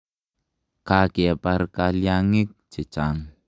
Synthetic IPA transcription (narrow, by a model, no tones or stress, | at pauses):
kakiapaɾkaliaŋɪk̚d͡ʒ̥ə̤t͡ʃaŋ